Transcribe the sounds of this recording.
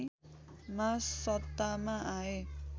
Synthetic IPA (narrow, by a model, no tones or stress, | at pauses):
massʌt̪ːamaae